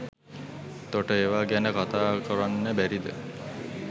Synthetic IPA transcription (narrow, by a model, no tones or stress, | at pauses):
t̪oʈeewaɡɛnekɔt̪akɔɾanːebɛɾid̪ḛ